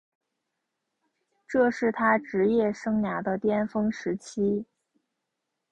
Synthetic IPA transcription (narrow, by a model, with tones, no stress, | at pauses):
ʈ͡ʂɤ˥˧ʂɻ̩˥˩t̪ʰa˥ʈ͡ʂɻ̩˧˥jɛ˥˩ʂɤ˥ŋnja˧˥d̪ə˧t̪jɛ˥nfɤ˥ŋʂɻ̩˧˥t͡ɕʰi˥